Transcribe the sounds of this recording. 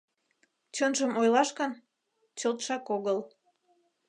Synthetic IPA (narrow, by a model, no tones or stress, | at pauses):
t͡ɕonʒəmojlɑʃkən | t͡ɕolt̪ʃɑkoɣəl